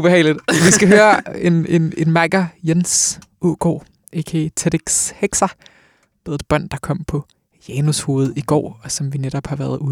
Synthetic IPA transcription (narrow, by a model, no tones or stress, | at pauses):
ub̥e̝hɛ̰ɪlid̥ˠʋisɡ̥æɦøːɐe̝ne̝ne̝nmæɡ̥ɐjensʔuɡ̥o̰ː | ʔe̝kʰet͡sʰed̥iɡ̥sheɡ̥sɐ | b̥eðˠed̥̚b̥ɶn̰d̥ɑ̈kʰɒ̽m̰pʰɒ̽ | jɛnusho̝ːð̩ˠiɡ̥ɒ̰ːɒ̽sɒ̽mʋineɾ̥ɒ̽b̥hɑ̈ʋæɐð̞ˠu